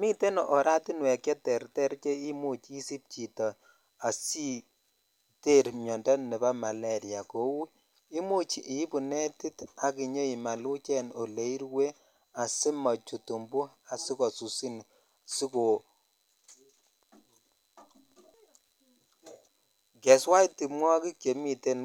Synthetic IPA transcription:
mi˦te˦nɔ˨ʔɔ˨ɾa˦ti˦nwɛ˨kjɛ˦tɛ˨ɾtɛ˦ɾt͡ʃe˦i˦mu˦t͡ʃi˦si˦p̚t͡ʃi˨tɔ˨ | a˨si˦ | te˦˨ɾmjɔ˨ndɔ˦nɛ˨ba˦ma˨la˦˨ɾi˨ja˨ko˦wu˦ | i˦mu˦t͡ʃi˨ʔi˨˦bu˨ne˦ti˦ta˨ki˨ɲo˦i˨ma˨lu˦t͡ʃɛ˦no˨le˨˦i˦ɾwe˦ | a˨sɪ˦mɔ˨t͡ʃu˨tu˨mbu˦a˨si˦kɔ˨su˨si˦n | si˦ko˨ | kɛ˨swa˦i˦ti˨mwɔ˦ki˦kje˨mi˦te˦n

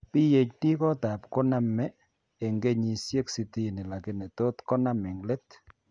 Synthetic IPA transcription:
pi˦je˨kti˦kɔ˦ta˨pkɔ˦na˦mɛː˦˨ | ŋɡe˦ɲi˨sje˦ksi˦ti˦˨ni˨la˨kɪ˦ne˨to˦tkɔ˦na˦mi˨ŋɡle˦t

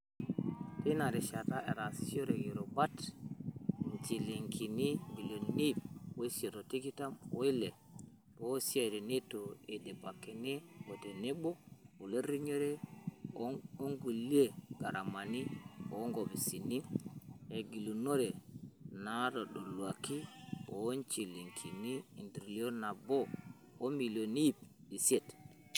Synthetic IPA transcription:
tina˨ɾɛ˨ʃata˦ʔe˨ɾasio˦ɾeɡiɾobat | ɲt͡ʃiliŋki˨ni˦ɡi˨lu˨ni˦bwo˦se˨to˨ti˦ki˦ta˦mwo˦i˦le˨ | bosi˦eɾi˨ni˦tːoe˨de˨pakːe˨ne˦wotene˦ɓo˦u˨le˦ɾi˦ɲo˦ɾɛ˦ | o˦ŋɡu˨li˦e˦˨ɡa̰˨ɾa˨ma˨ni˦o̰˨˦ŋɡo˨bi˨si˨ni˦e˨ɡi˨lu˨no˦ɾe˨na˨˦to˨ɗo˨lu˨a˨ki˦o˨˦nt͡ʃi˨li˨ŋkʰi˨ni˦i˨ndɾi˨li˦o˦na˨boː˦ | mi˨lo˨ni˦i˦˨p̚i˨si˦e˦˨t

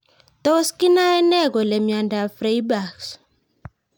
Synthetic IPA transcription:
t̪o˦skɪ˦na˦ɛ˦nɛ˦˨ɡɔ˨lɛ˨mja˨nda˨fɾe˦jba˨ks

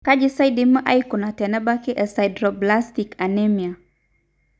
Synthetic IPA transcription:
ka˦d͡ʒi˦sa˦jdimə˦ʔa˦iku˨na˨tɛ˨nɛ˦ba˦ki˦ʔɛ˨sa˨jdɾo˨bla˦stika˨nɛ˦mi˨a˨

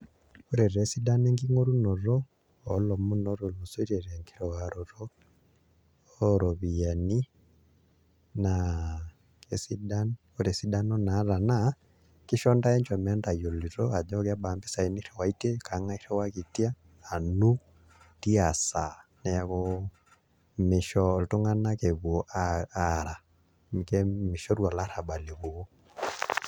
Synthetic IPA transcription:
o˦ɾɛ˨ɾɛ˨˦si˦da˦nɛ˦ŋɡi˦ŋo˦ɾu˦nɔ˨ɾɔː˦˨ | lɔ˨mu˦nɔ˦ɾɔ˨lu˨sɔ˦i˦ɾɛ˨ɾɛ˨ŋɡi˨ɾɛ˨wa˨ɾɔ˨ɾɔ˦ | ɾɔ˨βi˨ja˨ni˦ | na | e˦si˦da˦n | o˦ɾɛ˨si˦da˦nɔ˦na˨˦ɾa˨na˦ | ki˦ʃɔ˦nda˦ɛ˦ɲd͡ʒɔ˨mɛ˦nda˨jo˨li˨ɾɔ˦a˨d͡ʒɔ˦ka˦ɓa˨mbi˦sa˨i˨ni˦ɾɛ˨wa˨i˦te˦ka˨˦ŋa˦i˦ɾɛ˦wa˦ki˨tjaː˦˨ | nu˦ | ti˦a˨sa˨na˨ja˨kɔ | me˨ʃɔ˨lto˦ŋa˦na˦ke˨βwɔ˨ʔaaɾa˨ | m˨kɛme˨ʃɔ˦ɾwa˨la˦ɾa˨ba˨le˨βu˨o˦

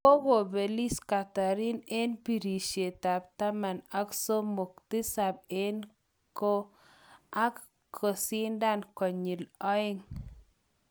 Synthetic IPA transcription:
ko˦ɡo˨be˨li˦ska˨ta˨ɾi˦ne˦npi˨ɾi˨ʃe˨t̪a˨b̚t̪a˦ma˨na˦kso˦mo˨kt̪i˦sa˨b̚e˦n | ko˦ | a˦k | kʰːo˨si˦nda˦nkɔ˨ɲi˨lɔ˦ɪ˦ŋ

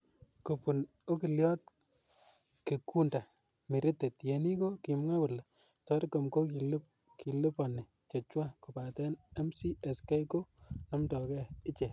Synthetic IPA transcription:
ko˨pu˨n | o˦ki˨ljɔ˦t̚ | ke˨ku˦nda˨ | mi˨ɾi˦te˨tje˨ni˦ko˦ki˨mŋa˦wʊ˨la˨ | tɔ˦ɾko˨mko˦ki˨lp | ki˨lɪ˦pa˨nːi˨ | t͡ʃe˨t͡ʃwa˦ko˨pa˨tɛ˦nɛ˦msi˦ɛ˨ske˦ko˦nɔ˦mtɔ˨kɛ˦ɪ˦t͡ʃe˨

